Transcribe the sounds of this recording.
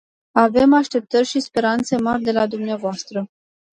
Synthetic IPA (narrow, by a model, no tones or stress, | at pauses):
ave̞maʃt̪e̞p̚t̪ərʲʃispe̞ɾant̪se̞marʲd̪e̞lad̪umneavoast̪ɾə